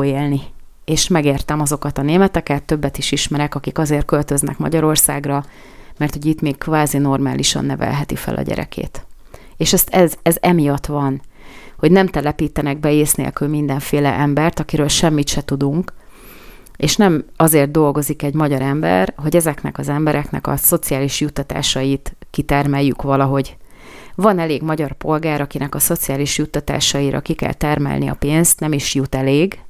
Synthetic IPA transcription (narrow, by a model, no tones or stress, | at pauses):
eːlni | eːʃmɛɡeːrt̪ɛmɒzo̞kɒt̪ɒneːmɛt̪ɛkɛt̪ːøbːɛt̪iʃiʃmɛɾɛkɒkikɒzeːrt̪̚kølt̪øznɛ̰kmɒ̰ɟɒɾo̞rsaːɡrɒ | mɛrt̪hoɟit̪meːkkvaːzino̞rma̰ːlʔiʃɒ̰nːɛvɛ̰lɦɛt̪ifɛ̰lʔɒ̰ɟɛ̰ɾɛ̰kʰḛːt̪ | eːʃɛst̪ɛzɛzɛmijɒt̪ʋɒnho̞ɟnɛmt̪ɛlɛpiːt̪ɛnɛɡ̚bɛeːsnḛlkylmin̪d̪ɛɱfeːlɛ̰ʔɛmbɛrt̪ɒkiɾøːlʃɛmːit̪ʃɛt̪ud̪uŋk | eːʃnɛmɒzeːrd̪̚d̪o̞lɡo̞zikɛɟmɒɟɒɾɛmbɛ̰rɦo̞ɟɛzɛknɛ̰kɒzɛmbɛɾɛknɛ̰kɒ̰so̞t̪sijaːliʃjut̪ːɒt̪a̰ːʃɒjit̪kit̪ɛrmɛjːykʋɒlɒɦo̞ɟ | vɒnɛleːɡmɒɟɒrpo̞lɡaːɾɒkinɛkɒso̞t̪siaːliʃjut̪ːɒt̪a̰ːʃɒiɾʔɒ̰kikɛ̰lt̪ɛrmɛ̰lniɒ̰peːnst̪nɛmiʃjut̪ɛleːɡ